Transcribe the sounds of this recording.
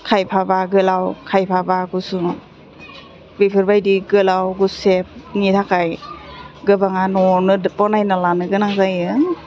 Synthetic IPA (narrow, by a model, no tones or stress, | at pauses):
kʰajpʰabaɡɯlawkʰajpʰabaɡusu | bipʰɯɾbajdiɡɯlawɡusep̚nitʰakʰaj | ɡɯbaŋanɔnɯpɔnajnalanɯɡɯnaŋzajɯ